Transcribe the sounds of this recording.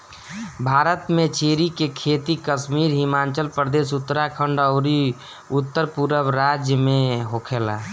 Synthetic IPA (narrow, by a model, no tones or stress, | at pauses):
bʱaːɾət̪mẽt͡ʃeːɾikekʰeːt̪ikəʃmiːɾɦɪmaːnt͡ʃəlpɾəd̪eːsʊt̪ːəɾakʰə̃ɳɖəːɾi | ʊt̪ːəɾpuɾəbɾaːd͡ʒjəmẽɦokʰeːla̰ː